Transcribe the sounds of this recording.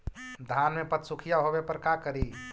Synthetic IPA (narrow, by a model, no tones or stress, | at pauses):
d̪ʱanmepət̪sukʰijaɦobepəɾkakəɾi